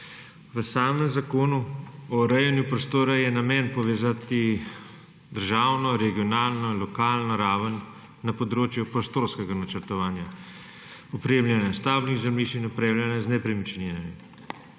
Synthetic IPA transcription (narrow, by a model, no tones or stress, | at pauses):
ʋəsaːmɛmzakoːnuɔɾɛjɛnjupɾɔst̪oːɾajɛnamɛːnpɔʋeːzat̪i | d̪əɾʒaːwnɔɾɛɡijɔnaːlnɔlɔkaːlnɔɾaːʋənː | apɔd̪ɾoːt͡ʃjupɾɔst̪oːɾskɛɡanat͡ʃəɾt̪ɔʋaːnja | ɔpɾeːmljɛnɛst̪aːbniɣzamiːʃinɔpɾeːwlʲjɛnɛznɛpɾɛmit͡ʃnenɛmi